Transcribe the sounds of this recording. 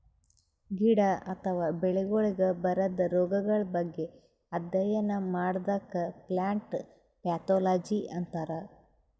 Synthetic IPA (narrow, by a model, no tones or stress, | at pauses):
ɡiɽɐɐt̪ʰɐʋaːbeɭeɡoɭiɡɐbɐɾɐd̪ɐɾɔːɡɐɡɐɭɐbɐɡːe̞ | ɐd̪jɐjɐnɐmaːɽd̪akːɐplaːɳʈ | pjaːt̪oːlaːd͡ʒiʔɐnt̪aːɾɐ